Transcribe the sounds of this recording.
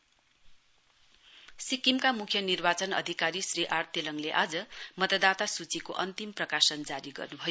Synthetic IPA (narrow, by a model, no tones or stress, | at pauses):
sikimkamukʰjʌnirbat͡sʌnʌ̰d̪ʱikaɾisriʔart̪elʌŋleʔad͡zʌmʌt̪ʌd̪at̪asut͡sikoʔʌnt̪imprʌkasʌnd͡zaɾiɡʌ̰rnubʱʌjo